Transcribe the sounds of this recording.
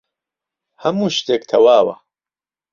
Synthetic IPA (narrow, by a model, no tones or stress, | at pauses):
hɐmuːʃt̪eːk̚t̪ʰɐwaːwɐ̰